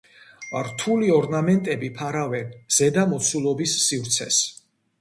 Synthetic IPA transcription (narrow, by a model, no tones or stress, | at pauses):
ɾt̪ʰuliɔɾnamɛnt̪ʼɛbipʰaɾavɛnz̥ɛd̪amɔt̪sʰulˠɔbisːivɾt̪sʰɛs